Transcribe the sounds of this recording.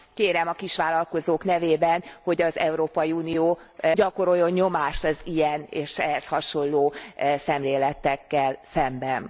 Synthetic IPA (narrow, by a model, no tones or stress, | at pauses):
keːɾɛmɒkiʃʋaːlɒlko̞zoːknɛveːbɛnho̞ɟɒzɛ̰uɾoːpɒjiuːnijoːɟɒko̞ɾo̞jːo̞ɲɲo̞maːʃt̪ɒzijɛneːʃɛɦɛshɒʃo̞nloːsɛmleːlɛt̪ːɛkːɛlsɛmbɛn